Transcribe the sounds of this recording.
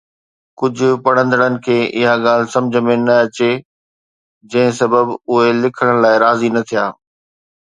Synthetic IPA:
kʊd͡ʑʱʊ̆pɐɽ̤ə̃nd̪əɽ̃ənɪ̆kʰeːʔɪɦaɠaːl̤ɪ̆sɐ̃md͡ʑʱəmẽnɐɐt͡ɕe | d͡ʑɐ̃ɦɪ̃sɐbəbʊɦelɪkʰəɽ̃ɽ̃laːɪɾaːzinɐt̪ʰijaː

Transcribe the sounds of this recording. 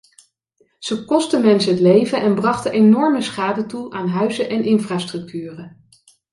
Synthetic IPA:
z̥əkɔstəmɛnsəɦətlejvəʔɛnbrɑχtəʔenɔɹməsχaːdətuʔaːnɦœɥzəʔɛnʔɪnfraːstrɵk̚tʰyːrə

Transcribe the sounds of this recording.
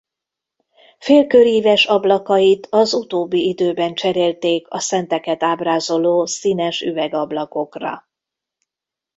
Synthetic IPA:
feːlkøɾiːvɛʃɒblɒkɒjit̪ʰɒzut̪oːbːiid̪øːbɛnt͡ʃɛɾeːlt̪eːkɒsɛnt̪ɛkɛt̪aːbraːzo̞loːsinɛʃyvɛɡɒblɒko̞krɒ̰

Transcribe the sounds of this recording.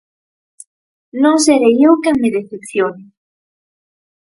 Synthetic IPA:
nõŋseɾejewkeŋmeðeθepθjonɪ

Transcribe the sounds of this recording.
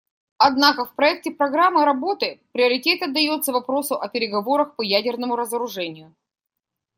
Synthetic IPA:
ɐd̪nakəfpɾɐɛk̚tʲɪpɾɐɡɾamːɨɾɐbo̞t̪ɨpɾʲɪəɾʲɪtʲe̞t̪ɐd̪ːɐjo̞t̪səvɐpɾo̞sʊʔɐpʲɪɾʲɪɡɐvo̞ɾəxpɐjædʲɪrnəmʊɾəzəɾʊʐɛnʲɪjʊ

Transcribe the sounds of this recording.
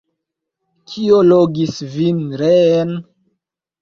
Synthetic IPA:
kʰioloɡisvinɾen

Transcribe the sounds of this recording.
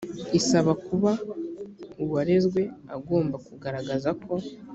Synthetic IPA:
isaβakuβa | uβaɾe̞zɡwe̞aɡo̞ːmbakuɡaɾaɡazakʰo̞

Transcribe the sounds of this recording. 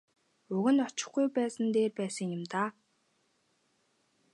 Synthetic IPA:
ɵɣɘ̆nɔt͡ɕɪ̆χɡujpæːsə̆nt̪eːpæːsə̆ŋjʊ̆mt̪aː

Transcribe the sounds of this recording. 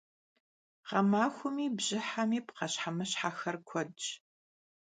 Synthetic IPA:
qɐmaːxʷʊmiːbʑɪħamiːpqɐɕħamɐɕħaːxɐrkʷʰɔdt͡ʃʼ

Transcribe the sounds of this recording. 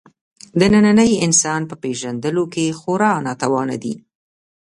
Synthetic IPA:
d̪ənananəjɪnsɑnpəpeʒand̪əlokexoɾɑnɑt̪awɑna̰d̪ḭ

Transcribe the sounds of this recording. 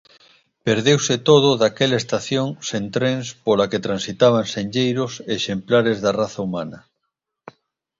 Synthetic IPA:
peɾðewset̪oð̞ʊðakelaest̪aθjoŋsẽnt̪ɾẽnspolaket̪ɾãnsit̪aβ̞ansẽɲʎejɾoseʃemplaɾezðaraθaumanɐ

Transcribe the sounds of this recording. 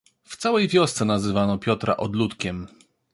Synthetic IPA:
ft̪sawɛjvʲjɔst̪sɛnazɘvanɔpʲjɔt̪ɾʔa̰ʔɔd̪lut̪kʲɛm

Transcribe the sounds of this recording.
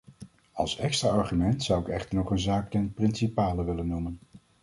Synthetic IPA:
ɑlˠsɛkstraːɑɹχymɛntsʌwɪkɛχtəɹnɔχənzaːk̚tɛnprɪnsipaːləʋɪlənːumən

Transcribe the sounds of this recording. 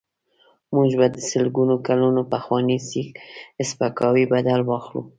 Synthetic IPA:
muʒbad̪əsəlɡunokalunopaxwɑnisixɪspakɑwibad̪alwɑxlṵ

